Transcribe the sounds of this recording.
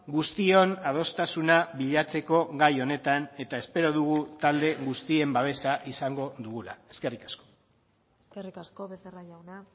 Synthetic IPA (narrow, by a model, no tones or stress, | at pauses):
ɡust̪io̞nað̞o̞st̪asunaβiʎat͡se̞ko̞ɣajo̞ne̞t̪ane̞t̪ae̞spe̞ɾo̞ðuɣ̞ut̪ald̪e̞ɣust̪ie̞mbaβ̞e̞saʔisaŋɡo̞ðuɣ̞ula̰e̞ske̞rikḁsko̞ | eskerikaskoβeseraʎawna